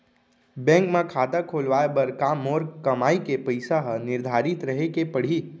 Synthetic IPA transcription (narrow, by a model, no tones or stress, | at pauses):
bɛ̃ːŋkmẽkʰaːd̪akʰoːlʋaːebəɾkaːmoːɾkɐmaːikepəɪsaɦnɪɾd̪ʱaːɾɪt̪ɾəɦekepɐɽ̤iː